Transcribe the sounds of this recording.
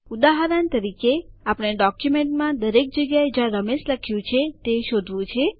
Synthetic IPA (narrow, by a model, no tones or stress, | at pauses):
ud̪aɦaɾənt̪əɾikeapəɽ̃eɖɔkjumeɳʈmãd̪əɾek̚d͡ʒəɡjaed͡ʒãɾəmesləkʰjũt͡ʃʰet̪eʃod̪ʱʋũt͡ʃʰe